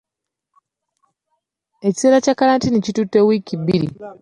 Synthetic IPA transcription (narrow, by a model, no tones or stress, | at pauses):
e̞t͡ʃi̥seɾat͡ʃakaɾantinicitutewikibiɾḭ